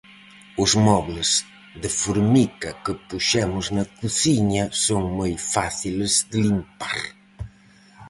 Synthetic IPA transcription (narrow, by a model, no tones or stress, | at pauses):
ʊzmɔβləz̥ | d̪əfuɾmikɐkəpuʃɛmʊznɐkuθiɲɐsoŋmajfaθiləzd̪əlimpa̰ɾ